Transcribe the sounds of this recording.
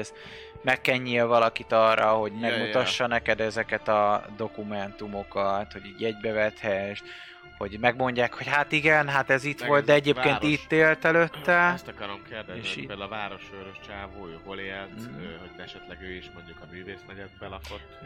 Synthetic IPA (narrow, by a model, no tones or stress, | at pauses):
z | mɛkːɛɲːiːlvɒlɒkit̪ɒːrːɒ̰ho̞ɟmɛɡmut̪ɒʃːɒnɛkɛd̪ɛzɛkɛt̪ɒd̪o̞kumɛnt̪umo̞kɒt̪ho̞ɟiːɟɛɟbɛvɛt̪hɛʃt̪ | ho̞ɟmɛɡmo̞ɲɟaːkho̞chat̪iɡɛnɦat̪ɛzit̪ʋo̞ld̪̚d̪ɛɛɟeːpkeːnit̪ːeːlt̪ɛløt̪ːɛst̪ɒkɒɾomkerd̪ɛzeʃped̪lvaːɾo̞ʃøɾoʃt͡ʃaːvoːøːɦoleːlt̪øhoɟɛʃɛt̪lɛɡøːiʃmoɲɟukɒmyːveːsmɛɟɛd̪̚bɛlɒkot̪ː